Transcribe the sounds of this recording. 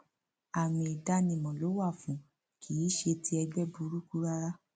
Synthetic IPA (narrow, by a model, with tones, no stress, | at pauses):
a˨mĩ˨i˨da˧nĩ˨mɔ̃˨lo˨˦wa˦˨fũ˨˦ | kʰi˨˦ʃe˧tʰi˧˦ɛ˧ɡ͡bɛ˦bu˧ɾu˦ku˦ɾa˦ɾa˦